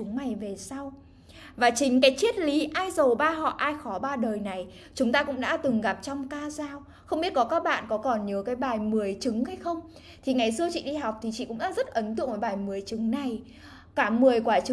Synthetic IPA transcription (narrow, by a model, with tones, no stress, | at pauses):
ʊ˨˦ŋŋ͡mma˨˩jve˨˩sa˧w | vaː˨˩t͡ɕï˨˦ŋ̟kaː˨˦jt͡ɕi˦˥ət̚li˨˦ʔaː˧jzə˨˩wɓaː˧ɦɔ̰˧˨ʔaː˧jxɔ˨˦ɓaː˧ɗəː˨˩jna˨˩j | t͡ɕʊ˨˦ŋ͡mt̪aː˧kʊ̰˧˥ŋ͡mɗa̰ː˧˥t̪ɨ˨˩ŋɣa˨˩p̚t͡ɕɔ˧wŋ͡mkaː˧zaː˧w | xə˧wŋ͡mɓi˦˥t̚kɔ˨˦kaː˦˥k̚ɓa̰ː˧˨nkɔ˨˦kɔ˨˩nɲi˨˦əwkaː˨˦jɓaː˨˩jmɨ˨˩əjt͡ɕɨ˨˦ŋha˧jxə˧wŋ͡m | t̪ʰi˨˩ŋa˨˩jsɨ˧ət͡ɕḭ˧˨ɗi˧ɦa˨˩wk͡p̚t̪ʰi˨˩t͡ɕḭ˧˨kʊ̰˧˥ɗa̰ː˧˥zə˦˥t̚ʔə˨˦nt̪ɨ̰˧˨ŋvəː˨˦jɓaː˨˩jmɨ˨˩əjt͡ɕɨ˨˦ŋna˨˩j | kaː˧˩mɨ˨˩əjkwaː˧˩t͡ɕ